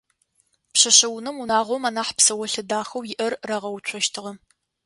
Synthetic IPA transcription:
pɕɐɕɐwnɨmunaːʁʷɔmaːnaːħpsɐwɐɬɨdaːxɐwjɪʔɐrːɐʁɐwt͡ʃʷʰɔʃtʰɨʁɐ

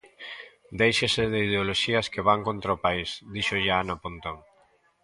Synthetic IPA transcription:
d̪ejʃesɪðɪið̞eoloʃiɐskeβaŋkont̪ɾaʊpaisd̪iʃoʎanapont̪oŋ

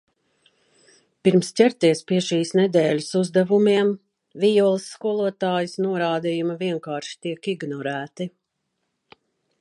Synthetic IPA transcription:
piɾmst͡ɕʲɛɾt̪iɛspiɛʃiːsnɛd̪ɛːlʲusuzd̪avumiɛm | vijɔlˠisːkuɔlˠuɔt̪aːjusnuɔɾaːd̪ijumɐviɛŋkaːɾʃi̥t̪iɛkiɡnɔɾæːt̪i

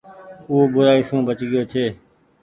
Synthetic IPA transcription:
uːbʊɾaːiːsũːbət͡ʃɡɪjoːt͡ʃʰeː

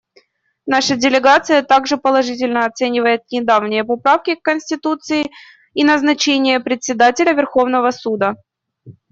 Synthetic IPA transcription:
naʂədʲɪlʲɪɡat̪sɨjət̪aɡʐɨpəlˠɐʐɨt̬ʲɪlʲnəɐt̪sɛnʲɪvəjɪt̪̚nʲɪd̪avnʲɪjəpɐpɾafkʲɪkːənʲsʲtʲɪt̪ut̪sɨɪ | inəznɐt͡ɕenʲɪjəpɾʲɪt̪ʲsʲɪd̪atʲɪlʲəvʲɪrxo̞vnəvəsud̪ə

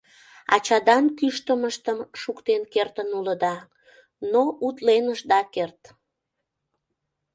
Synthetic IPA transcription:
ɑ̰t͡ɕɑd̪ɑnkyʃt̪əməʃt̪əmʃukt̪enkert̪ənuləd̪ɑ | noʔut̪lenəʒd̪ɑkert̪

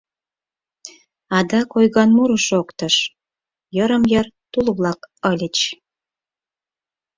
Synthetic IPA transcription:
ɑd̪ɑkojɣɑnmuɾəʃokt̪ə̆ʃ | jəɾə̆mjə̆rt̪ulβlɑkəlʲət͡ɕ

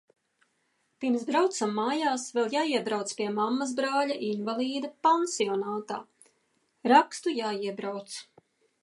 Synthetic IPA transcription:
piɾmsbɾawt̪samːaːjaːsvɛlˠjaːiɛbɾawt̪spiɛmamːazbɾaːʎaʔinvalˠiːd̪ɐpansiɔnaːt̪a̰ː | ɾakst̪ujaːiɛbɾawt̪s

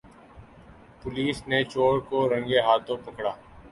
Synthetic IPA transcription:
pʊliːsnet͡ʃoːɽkoɾə̃ŋɡeɦaːt̪ʰõpɐkɽaː

